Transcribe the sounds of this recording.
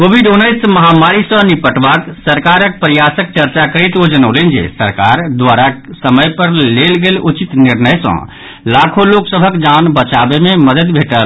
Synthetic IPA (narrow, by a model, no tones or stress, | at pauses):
kobʱiɖunːəɪsməɦamaɾisə̃nipəʈbaksəɾkaɾək̚pɾəjasək̚t͡ʃəɾt͡ʃakəɾit̪od͡ʒənəlend͡ʒḛsə̰ɾka̰ɾd̪ʋaɾasəməjpəɾlelɡelut͡ʃit̪niɾnəjsə̰̃ | lakʰoloksəbʱəkd͡ʒanbət͡ʃabememəd̪əd̪bʱeʈəl